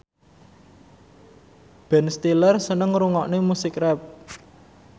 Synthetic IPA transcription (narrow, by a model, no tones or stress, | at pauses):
b̥ɛ̤nst̪ilərsənəŋɾuŋɔʔnemusɪkrɛp̚